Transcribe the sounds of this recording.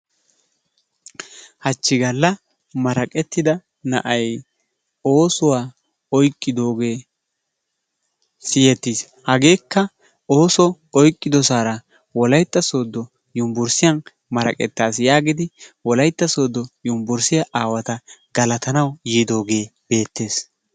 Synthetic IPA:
hɐt͡ʃːɪɡɐlːɐ | mɐɾɐkʼɛt̪ːɪd̪ɐ | nɐ̰ʔɐj | o̞ːsʊwaː | ɔjkʼːɪd̪o̞ːɡe̞ː | sɪjɛt̪ːis | hɐɡe̞ːkːɐ | o̞ːsɔ | ɔjkʼːɪd̪ɔsaːɾɐ | wɔlɐjt̪ːɐso̞ːd̪ːɔ | jʊmbʊɾsɪjɐn | mɐɾɐ̰kʼɛ̰t̪ːaːsjaːɡɪd̪ɪwɔlɐjt̪ːɐso̞ːd̪ːɔjʊmbʊɾsɪjɐʔaːwɐt̪ɐɡ̥ɐlɐt̪ɐnɐwjiːd̪o̞ːɡe̞ːb̥e̞ːt̪ːe̞ːs

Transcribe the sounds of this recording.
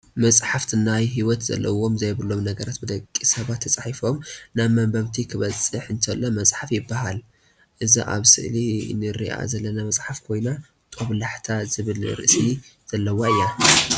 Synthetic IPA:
mɐt͡sʼħaft̪ʰɨnajɦiwɔt̪zɐ̰lːɐ̰wo̞mzɐjbɨlo̞mnɐɡɐɾat̪bɨd̪ɐkʼːisɐβat̪ʰːɐt͡sʼaħifo̞mnaβmɐmbɐβt̪ʰikʰɨβɐt͡sʼɨħɨnt̪ʰɐlːomɐsʼħafjɪbːahal | ʔɨzḭʔa̰βsɨ̰ʔlinɨɾḭʔa̰zɐlːɐnamɐsʼħafkʰo̞jna | t̪ʼoβlaħt̪ʰazɨβɨlɾɨ̰ʔsiz̥ɐlːɐwaɨjːa

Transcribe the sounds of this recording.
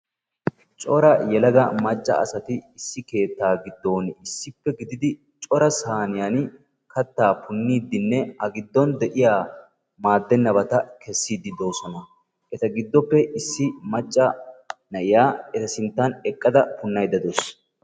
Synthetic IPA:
t͡ʃʼɔɾɐjɛlɐɡɐmɐt͡ʃʼːɐ̰ɐ̰sɐt̪ɪɪsːɪke̞ːt̪ːaːɡɪd̪ːo̞ːnɪsːɪpːɛɡɪd̪ɪd̪ɪ | t͡ʃʼɔɾɐsaːnɪjan | kɐt̪ːaːpʊnːiːd̪ɪnːɛhɐɡɪd̪ːɔnd̪ɛʔɪjaː | maːd̪ːɛnːɐbɐt̪ɐkɛsːiːd̪ːɪd̪o̞ːsɔnɐ | ʔɛt̪ɐɡɪd̪ːɔpːɛʔɪsːɪmɐt͡ʃʼːɐnɐʔɪjaːɛt̪ɐsɪnt̪ːɐnɛkʼːɐd̪ɐpʊnːɐjd̪ɐd̪os

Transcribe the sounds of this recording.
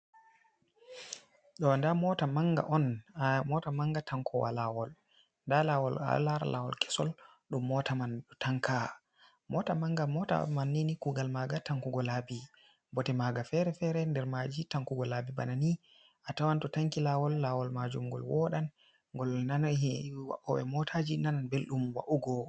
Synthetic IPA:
ɗɔndamɔtamaŋɡa̰ʔɔnmɔtamaŋɡatʰaŋkʰɔwa̰lawɔl | ndalawɔ̰la̰laɾa̰la̰wɔ̰lkʰɛ̥sɔl | ɗumːɔtamanɗutʰaŋkʰa | mɔtamaŋɡamɔta̰manːinikuɡalmaɡataŋkuɡɔlabi | bɔtɛmaɡafɛɾɛfɛɾɛndɛɾmad͡ʒitaŋkuɡɔlabibanani | ʔatawantɔtaŋkilawɔlːawɔlmad͡ʒumɡɔ̰lwɔɗan | ŋɡɔlnanhwa̰ʔɔɛ̰mɔtʰad͡ʒinananbelɗumwa̰ʔuɡɔ

